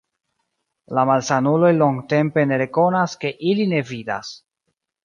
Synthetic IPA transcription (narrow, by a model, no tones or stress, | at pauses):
lamalsanulo̞jlo̞ŋɡte̞mpe̞ne̞ɾe̞ko̞naske̞ʔiline̞vida̰s